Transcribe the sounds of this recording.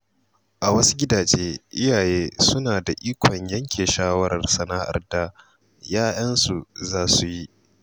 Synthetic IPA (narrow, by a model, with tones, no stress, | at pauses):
ʔa˨wɐ˦su̥˦ɡʲɪ˦daː˨d͡ʒeː˦ʔɪ˦jaː˨jeː˦sʊ˦naː˨da˨ʔiː˦kʷʰɔ˨ɲjɐ˦ŋkʲʰeː˨ʃaː˦wɐ˦ɾɐ̰˨rsɐ˦naː˦ʔa̰˨rda˦ | jaː˦jɐ˦nsu˨zaː˦su˨ji˦ʔ